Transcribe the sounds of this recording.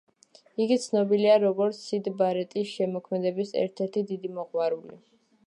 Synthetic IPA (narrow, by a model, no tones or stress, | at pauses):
iɡit̪sʰnɔbiliaɾɔɡɔɾt̪sʰid̪baɾɛt̪ʼisʃɛmɔkʰmɛd̪ɛbisɛ̰ɾt̪ʰɛɾt̪ʰid̪id̪imɔʁwaɾulḭ